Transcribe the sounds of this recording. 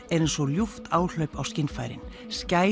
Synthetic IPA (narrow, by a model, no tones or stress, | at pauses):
ɛɾejnsɔljuft̪ʰaːwl̥œɥpawscɪnfaːjɾɪ̰n | sca